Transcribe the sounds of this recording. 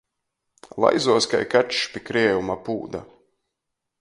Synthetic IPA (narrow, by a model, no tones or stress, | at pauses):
lˠa̰jzuɔska̰jkaʃpikɾiɛjumapṵːd̪a̰